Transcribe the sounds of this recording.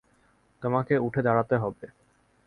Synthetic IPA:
t̪omakeuʈʰed̪ʱaɽat̪eɦɔbe

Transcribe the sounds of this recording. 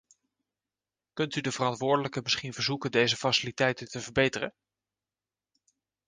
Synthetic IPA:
kɵntydəvərɑntʋʊːɹdələkəmɪsχinvəɹzukəndejzəfasɪlitɛjtəntəvəɹbejtərə̰n

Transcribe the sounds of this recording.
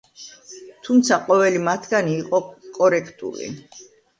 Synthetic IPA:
t̪ʰumt̪sʰaqʼɔvɛlimat̪ʰɡaniːqʼɔkʼɔɾɛkʰt̪ʼṵlḭ

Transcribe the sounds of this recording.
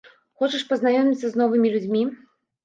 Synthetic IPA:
xɔt͡ʃɐʂpɐznajɔmʲit̪sːɐznɔvɨmʲilʲud͡zʲmʲi

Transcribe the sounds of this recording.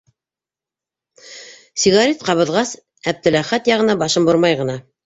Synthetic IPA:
sʲiɣɑɾʲit̪̚qɑβɤ̆ðʁɑs | æb̚t̪ɘ̆læχæt̪jɑʁɤ̆nɑbɑʃɤmboɾmɑjʁɤ̆nɑ

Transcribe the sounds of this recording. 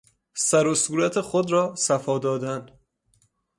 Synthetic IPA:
sæɾosuːɾæt̪ʰe̞xod̪ɾɒːsæfɒːd̪ɒːd̪æn

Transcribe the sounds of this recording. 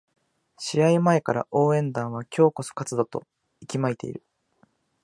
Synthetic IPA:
ɕiɾaimae̞kaɾa̰ʔo̞ːẽ̞nd̪ãɰ̃β̞akʲʰo̞ːko̞sɨ̥kat͡sɨd̪o̞t̪o̞̰ | ikʲimait̪e̞̰ḭɾɯ̟

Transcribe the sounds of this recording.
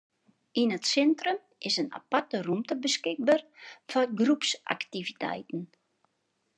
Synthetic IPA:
inətsɛntrəm | ʔɪsəna̰patərumtəbəskɪk̚barfɔɡrupsʔa̰ktivitʰɛ̰jtn̩

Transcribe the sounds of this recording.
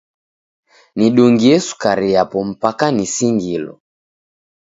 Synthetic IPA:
niɗuŋɡiɛsu̥kaɾiapɔm̩pakanisiŋɡilɔ̰

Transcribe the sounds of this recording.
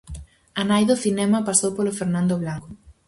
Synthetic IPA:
anajðoθinɛmɐpasowpolofeɾnãnd̪oβlaŋko

